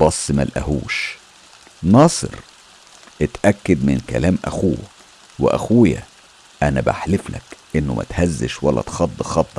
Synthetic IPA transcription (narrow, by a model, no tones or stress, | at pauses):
b̥ɑsˤːmælʔæ̰hṵːʃ | nɑːsˤɨ̰ɾ | ʔet̪ʔækːæd̪mɪnkæ̰læːmʔæ̰xuː | weʔæxuːjæ̰ | ʔænæba̰ħlɪflʔækʔenːʊmʔæ̰t̪hæzːɪʃwælːæ̰t̪xɑd̪ˤːxɑt̪ˤːɑ